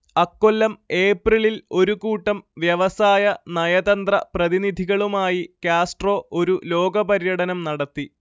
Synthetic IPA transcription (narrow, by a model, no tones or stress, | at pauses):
ɐkːo̞lːɐme̞ːpriɭilo̞ɾukuːʈːɐmʋjɐʋɐsaːjɐnɐjɐd̪ɐnd̪rɐprɐðinid̪ʱiɣɐɭumaːjikaːsʈro̞ːʔo̞ɾulo̞ːɡɐbɐɾjɐɽɐnɐmnɐɽɐt̪ːi